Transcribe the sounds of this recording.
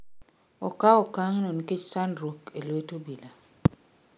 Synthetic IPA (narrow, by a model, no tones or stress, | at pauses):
okaokaŋnonket͡ʃsandɾokelwetobila